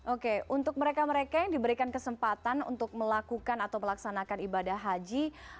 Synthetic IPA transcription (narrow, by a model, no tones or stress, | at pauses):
ʔokeunt̪ʊk̚məɾekaməɾekajaŋdibəɾikankəsəmpat̪anṵnt̪ʊk̚məlakukanat̪awməlaksanakanibadahɦad͡ʒi